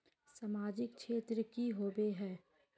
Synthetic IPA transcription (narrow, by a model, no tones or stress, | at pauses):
samaːd͡ʒɪkʃʰeːt̪ɾəkiɦoːbeɦɛː